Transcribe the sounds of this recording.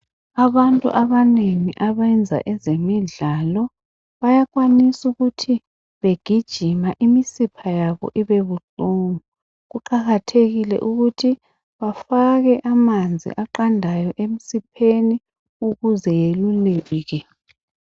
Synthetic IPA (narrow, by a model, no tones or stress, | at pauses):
aβantʼṵʔaβaneŋiʔaβɛnd͡zʱa̰ʔɛzemiɮalɔ | βajaɣwanisuɣutʰi | βeɡ̥ʱid̥ʒ̥ʱimaʔimisipʰajaβɔ̰ʔiβeβutʼuŋu | ɣuǃaɣatʰeɣilɛ̰ʔuɣutʰi | βafaɣɛʔamand͡zʱḭʔaǃandʱajɔʔem̩sipʰeni | uɣuzɛjeluleːɣɛ